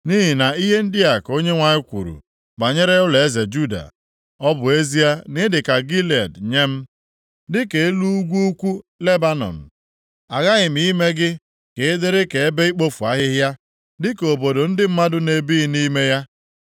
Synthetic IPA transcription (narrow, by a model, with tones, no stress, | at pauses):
ni˦ɦi˨na˨i˦ɦe˦n̩˦dɪ˦a˨ko˦ɲe˦ŋʷa˨ɲɪ˦kʷṵ˨ɾṵ˨ | ba˨ɲe˦ɾe˦ʊ˦le˨e˦ze˨d͡ʒu˦da̰˨ | ɔ˦bʊ˨e˦zi˦a˦nɪ˦dɪ˨ka˨ɡi˦le˨dɲe˦m̩˦ | dɪ˦ke˨e˦lu˦u˦ɡʷu˦u˦kʷu˦le˦ba˦nɔ̰˨m̩˨ | a˨ɣa˦ɣɪ˨m̩˨i˦me˦ɡɪ˦ | ke˨ɪ˦dɪ˦ɾɪ˦ke˨e˦be˦i˦k͡po˦fu˨a˦ɦɪ˦ɦja˦ | dɪ˦ko˨bo˨do˨n̩˦dɪ˦m̩˦ma˦dʊ˦ne˨bi˦ni˦me˦ja˦